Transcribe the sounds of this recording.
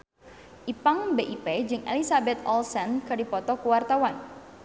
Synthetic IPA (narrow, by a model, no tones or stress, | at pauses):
ʔipaŋbeʔiped͡ʒɨŋḛlisabɛt̪ɔlsɛnkədipɔt̪ɔkuwart̪awan